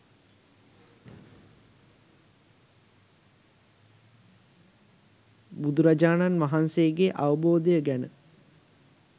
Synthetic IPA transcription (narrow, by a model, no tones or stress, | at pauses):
bud̪uɾad͡ʒaːnanʋaɦansejəɡeʔaʋəboːd̪əjəɡænə